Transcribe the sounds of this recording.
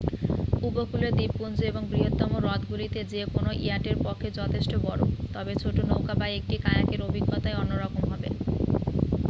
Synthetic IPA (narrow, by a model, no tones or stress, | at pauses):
ubokuled̪ibːund͡ʑoeboŋɡɾiɦot̪ːɔmoɾɔt̪ɡulit̪ed͡ʑeekonoʔijaʈeɾpɔkʰːed͡ʑɔt̪ʰeʃʈobɔɾo̰t̪ɔbet͡ɕʰoʈonowkabajek̚ʈikajakeɾobʱiɡːot̪aeɔnːoɾɔkomɦɔbḛ